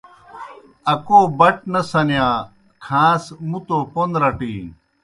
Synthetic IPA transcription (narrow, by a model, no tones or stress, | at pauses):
ɐkoːbɐʈ̚nɐsɐnjaː | kʰãːsmut̪opond̪ɾɐʈḭː